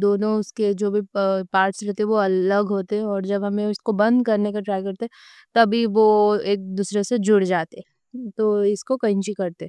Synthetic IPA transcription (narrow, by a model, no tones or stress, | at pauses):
d̪oːnõʊsked͡ʒoːbʱipaːɾʈsɾɛɦt̪eɦɛ̃ʋoɐləɡɦoːt̪eɦɛ̃ɔːɾd͡ʒɐbɦɐmẽʊskobɐ̃nd̪kɐɾnekaʈɾaːjkɐɾt̪eɦɛ | t̪ɐbʱiʋoeːk̚d̪uːsɾesed͡ʒʊɽd͡ʒaːt̪ẽ | t̪oːɪskokɐĩt͡ʃikɐɾt̪eɦ